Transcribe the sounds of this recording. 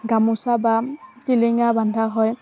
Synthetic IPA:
ɡamusabatiliŋabandʱaɦɔj

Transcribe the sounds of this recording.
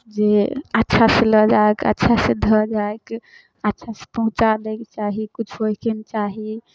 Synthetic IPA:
d͡ʒeətːʃʰaseləd͡ʒaekə̰tːʃʰased̪ʱəd͡ʒaek | ətːʃʰase̥pɔɦt͡ʃalɛket͡ʃaɦikut͡ʃʰɦoɦkent͡ʃaɦi

